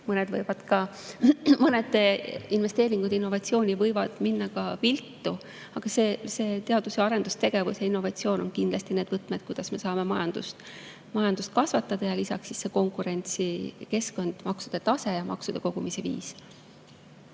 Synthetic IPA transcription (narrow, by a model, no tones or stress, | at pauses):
mɤned̪̥vɤjvɑd̪̥kɑ | mɤned̪inve̞st̪eːɾiŋɡ̥ud̪inːo̞vɑt̪sio̞ːnʲivɤjvɑd̪̥minːɑkɑpilt̪ːˑu | ɑɡ̥ɑsese̞ːt̪e̞ɑd̪̥useɑɾe̞nd̪̥ust̪eɡ̥e̞vusjɑinːo̞vɑt̪sio̞ːno̞nkind̪lɑst̪ine̞ːd̪̥vɤt̪ːˑmed̪̚kujd̥̪ɑsme̞sɑːme̞mɑjɑnd̪̥ust̪ | mɑjɑnd̪̥ust̪̚kɑsvɑt̪ːˑɑd̪̥ɑjɑlisɑksːisːe̞ko̞ŋkuɾe̞nʲt̪sike̞sko̞nd̪̥mɑksud̪̥e̞t̪ɑse̞jɑmʔɑ̰ksud̪e̞ko̞ɡ̥umise̞vḭːs